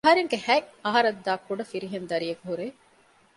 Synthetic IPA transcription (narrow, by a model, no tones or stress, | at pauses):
ɦɐɾeŋɡehæŋɐɦɐɾɐd̪ːaːkuɖɐfiɾiɦend̪ɐɾijekuɦuɾe